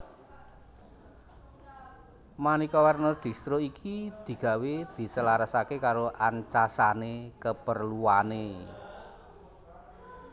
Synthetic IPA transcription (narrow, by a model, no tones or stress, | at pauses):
manikɔwarnɔd̪̥i̤st̪ɾoikʰid̪̥i̤ɡ̥ä̤wed̪̥i̤səlaɾəsakekaɾoʔaɲt͡ʃasanekəpərluwane